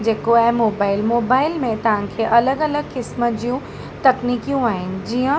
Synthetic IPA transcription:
d͡ʑeːkoaːɦemoːbaːɪlmoːbaːɪlmẽt̪ɐʋ̤ãkʰeːʔɐləɡɐləɡkɪsməd͡ʑijũ | t̪ɐkniːkijũaːɦɪnɪ̆d͡ʑiːə̃

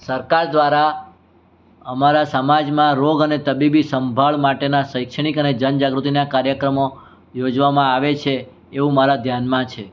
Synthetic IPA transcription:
səɾkaɾd̪ʋaɾa | əmaɾasəmad͡ʒmãɾoɡənet̪əbibisəmbʱəɭmaʈenaʃəjkʃəɳ̃ikəned͡ʒənd͡ʒaɡɾut̪inakaɾjəkɾəmo | jod͡ʒʋamãaʋet͡ʃʰeː | ʋũmaɾad̪ʱjanmãt͡ʃʰe

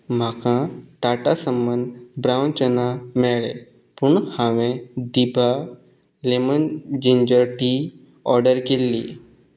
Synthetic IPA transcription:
m̤akãʈaʈasəmbənd̪bɾawnt͡ɕənameɭḛ | puɳhãʋẽd̪ibʱa | lemənd͡ʑiɲd͡ʑəɾʈi | ɔɾɖəɾkelːi

